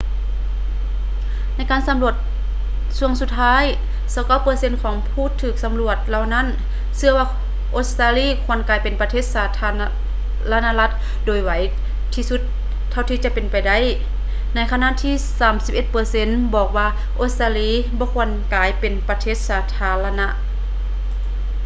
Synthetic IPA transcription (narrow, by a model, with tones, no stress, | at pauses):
na˧˥˩jkaː˨nsa˨˦mlu˧˩ət̪̚ | su˧˩əŋsu˧t̪ʰːaː˦˥˨j | sa˧˦wka˧˩˨wpɤː˧˦se˧˨nkʰɔː˨˦ŋpʰuː˧˨t̪ʰɯː˨˩k̚sa˨˧˦mlu˧˩ət̪̚la˧wna˧˥˨n | sɯ˧ɐwaː˧ | ʔo˧t̪̚st̪aː˧liː˧˥˨kʰu˧˩ə˨nkaː˨˩jpe˨npa˧t̪ʰeː˧˥˩t̪̚saː˨˧t̪ʰa˧ | la˧naː˧la˧˥t̪̚ | doː˨˩jwa˨˦j | t̪ʰiː˧su˧˦t̪̚ʰː | a˧˩wt̪ʰiː˧t͡ɕa˧ʔpe˨npa˨jda˧˥˨j | na˧˥jkʰa˧na˧˨ʔt̪ʰiː˧˥˨saː˨˩˦msi̥˧˥p̚ʔe˧t̪̚pɤː˨˧se˧˥˨nbɔː˨˩k̚waː˧ | ʔo˧t̪̚t̪aː˧liː˧˥˩ | bɔː˧˦kʰu˧ənkaː˨˩jpe˨˩npa˧t̪ʰeː˧˥˩t̪̚saː˨˧˦t̪ʰaː˧˦la˧na˧˥ʔ